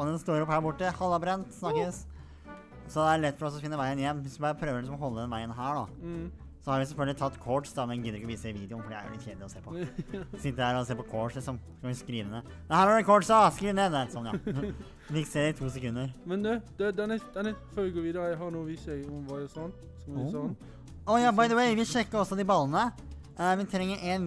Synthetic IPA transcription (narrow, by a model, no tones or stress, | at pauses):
ɔnd̪ɛst̪oːɾɔphæːɾbʊʈːəhɑlːɑbɾɛnt̪snɑkːəs | sɔd̪ɛæɾɭɛt̪ːfɔɾɔsɔfɪnːəʋæɪənɪjɛnːʋɪsʋɪbɑːɾəpʰɾøːʋəɾlɪsɔmɔhɔlːəd̪ɛnʋæɪənɦæːɖɑ | sɔhɑɾʋɪsɛlfœlɡəlɪt̪ʰɑt̪ːkʰɔʈsd̪ɑd̪ɛɡɪd̪əɾɪkːɔʋiːsəɪʋiːd̪ɪʊnfɔɖɛæ̰ɾjʊ̰ɪt̪ʰçeːd̪ɪɔseːpʰɔsɪt̪ːəɾhæːɾɔseːpɔkʰɔʂlɪksɔmsɔ̥kʰɑnʋɪskɾiːʋ̪əd̪ɛ | mɛnɦæːɾɑɖɛkʰɔʈsɑskɾiːʋənɛd̪æt̪sɔnjɑ̰ | fɪkseːd̪ɛɪt̪ʰuːsɛkʉnːəɾmɛnd̪ɛd̪̥ɛd̪ɛnd̪ɛnɛføɪɡoːʋiːd̪əɾəɦɑɾnuːʋɪçɛɪɔmʋɑɔsɔn | sɔ | ɔjɑːbɑɪd̪əweɪʋɪɕɛkːəɾɔsːɔd̪ɪbɑlːənə | ʋɪt̪ʰɾɛŋːəɾʔɛn